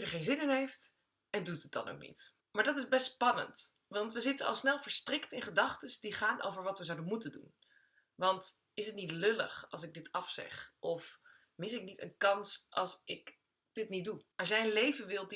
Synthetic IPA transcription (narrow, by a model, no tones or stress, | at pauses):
əχejnzɪnɪnɦejft | ɛndutət̚d̥ɑ̰no̰wknḭt | maːɹdɑtɪzbɛstsspɑnə̰ntʋɑntʋəzɪtənɑ̰lˠsnɛlˠvəɹstrɪktɪnχədɑχtəsdiχaːnʔo̰wvəɹʋɑtʋəzawdənmutəndṵn | ʋɑntɪsətnitlølə̰χɑ̰lˠsɪɡ̚dɪtʰɑfsɛ̰χʔɔf | mɪsɪknitə̰nkɑnsʔɑ̰lˠsɪk | d̥ɪtnit̚duʔɑlˠs̬jɛjənlejvənʋɪlˠt